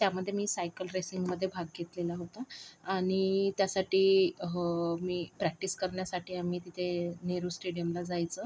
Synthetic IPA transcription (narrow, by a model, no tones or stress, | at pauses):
t̪jaməd̪ʱːjemiːsajkəlɾesiŋɡməd̪ʱːjebʱaɡɡet̪lelaɦot̪aːɽ̃it̪jasaʈiː | miːpɾæk̚ʈiskəɾɳjasaʈʰiːamiːt̪it̪ʰeneɾuːsʈeɽijəmlad͡zajt͡sə